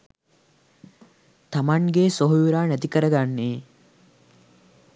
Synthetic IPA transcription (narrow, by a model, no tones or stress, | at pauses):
t̪amaŋɡeːsoɦujuɾaːnæt̪ikəɾəɡanːeː